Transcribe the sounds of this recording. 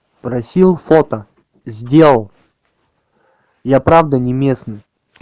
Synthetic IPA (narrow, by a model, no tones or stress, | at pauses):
pɾɐsʲilˠfot̪ə | zʲdʲe̞lˠəlˠ | japɾavd̪ənʲɪmʲe̞snɨ